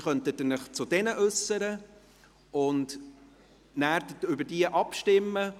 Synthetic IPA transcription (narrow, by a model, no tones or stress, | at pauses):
χœntətənɪχt͡sʊd̥ɛnəʔɵsːəɾə | ʊnd | næːɾdətʏbədiəʔɑpʃtɪmːə